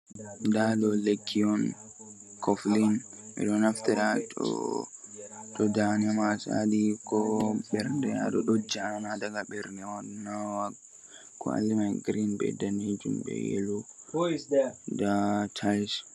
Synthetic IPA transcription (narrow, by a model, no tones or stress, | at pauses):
daɗɔlekʰːiɔn | kʰɔflin | ɛ̰ɗɔnaft̪ɛɗatɔ̰ | ɗɔdanɛmasa̰dikɔɓɛɾndɛa̰ɗɔɗod͡ʒːianadaɡaɓɛɾndɛwadnawaɡ | kʰːɔ̰a̰lːimaɡɾinbɛ̰dand͡ʒumbɛ̰jɛ̰lɔ | datʰajs